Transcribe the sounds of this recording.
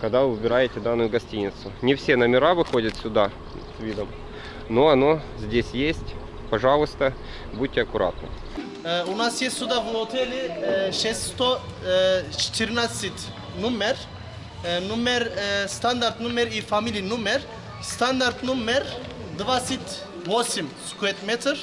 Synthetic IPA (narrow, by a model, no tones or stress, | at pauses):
kɐɡd̪avɨvɨbʲɪɾajɪtʲɪd̪anːʊjʊɡɐsʲtʲinʲɪt̪sʊnʲɪfsʲenəmʲɪɾavɨxo̞dʲət̪sʲʊd̪a | svʲid̪əm | noɐno | zʲdʲesʲjesʲtʲ | pɐʐalˠʊst̪ə | bud̚ʲtʲːɪɐkʊɾa̰t̪nə̰ | ʊnasjesʲt̪ʲsʲud̪avnot̪ʰɛlʲɪʃɛsʲt̪ʲst̪o | t͡ʃɪ̥t̪ʰɪɾnasɨt̪ʲ | numʲer | numʲeɾst̪and̪aɾt̪numʲeɾifamʲilʲijnumʲer | st̪and̪aɾt̪numʲeɾ | d̪vat̪sɨt̪ʲ | vosʲɪmskʊet̪mʲet̪r